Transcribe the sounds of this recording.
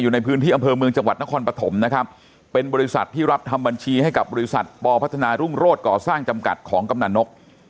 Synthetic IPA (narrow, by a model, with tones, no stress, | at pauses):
juː˨˩na˧jpʰɯː˦˥nt̪iː˥˩ʔmpʰɤː˧mɯ˧əŋt͡ɕa˧ŋwa˨˩t̪̚na˦˥kʰɔː˧npɾa˧t̪ʰo˩˦mna˦˥kʰa˦˥p̚ː | e˧nbɔː˧ɾi˦˥sa̰˨˩t̪ʰːiː˥˩ɾa˦˥p̚t̪ʰa˧mba˧nt͡ɕʰiː˧ha˥˩jka˨˩p̚bɔː˧i˦˥sa̰˨˩t̪̚pɔː˧pʰa˦˥t̪ʰːa˧naː˧ɾu˥˩ŋɾoː˥˩t̪̚kɔː˨˩saː˥˩ŋt͡ɕa˧mka̰˨˩t̪̚kʰɔː˩˦ŋka˧mna˨˩nno˦˥k̚